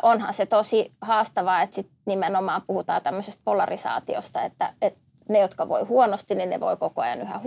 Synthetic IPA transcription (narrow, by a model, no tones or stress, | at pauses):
ʔonhɑ̰nset̪osihɑːst̪ɑʋɑːet̪sit̪nimenomɑːpuhut̪ɑ̰ːt̪æmːøsest̪̚polɑrisɑ̰ːt̪io̰st̪ɑet̪ːæ̰et̪ | nejot̪kɑʋo̰ihuonost̪ininnḛʋo̰ikokoɑjɑ̰nyhæ̰